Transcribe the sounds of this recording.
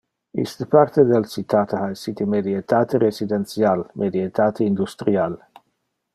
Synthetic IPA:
ḭst̪əpaɾt̪ed̪elt͡ʃit̪at̪eaesit̪imed̪iet̪at̪eɾesid̪ent̪sialmʔed̪iet̪at̪ʰeind̪ust̪ɾial

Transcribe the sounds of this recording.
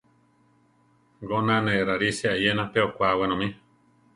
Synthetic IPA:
ɡonãnẽɾaɾiseajenãpeokʷawenõmĩ

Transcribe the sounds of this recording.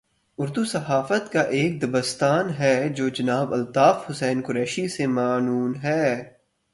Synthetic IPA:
ʊɾd̪usɐɦaːfət̪kaʔeːk̚d̪ɐbəst̪aːnɦɛd͡ʒoːd͡ʒɐnaːbɐlt̪aːfhʊsɛːnkʊɾɛːʃisemaːnuːnɦɛː

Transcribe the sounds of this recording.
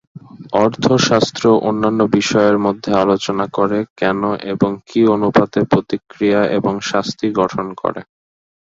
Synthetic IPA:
ɔɾt̪ʰoʃast̪ɾoʔonːanːobiʃɔeɾmod̪ʱːealot͡ɕonakoɾekɛnoʔeboŋkionupad̪epɾot̪ikɾijaʔeboŋʃast̪iɡɔʈʰonko̰ɾḛ

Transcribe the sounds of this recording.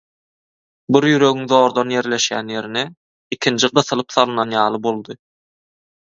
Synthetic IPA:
biɾjyɾø̞ɣiŋðo̞ːɾd̪ɑnje̞ɾle̞ʃjæ̰nje̞ɾine | ikʲʰind͡ʒiɢɯθɯlˠɯpθɑlˠɯnɑnjɑːlˠɯbo̞lˠd̪ɯ

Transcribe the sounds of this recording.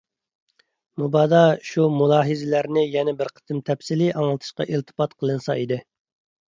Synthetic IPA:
mubɑd̪ɑʃumulˠɑːɦɨzɪlæɾnɪjɛnɛbɪɾqʰə̥t̪ɨmt̪ʰɛpsɪlɪʔɑŋlˠɨt̪ʰɨ̥ʃqɑ̰ʔilt̪ʰɨ̥pɑt̪qʰəlˠɨnsɑ̰id̪ɪ

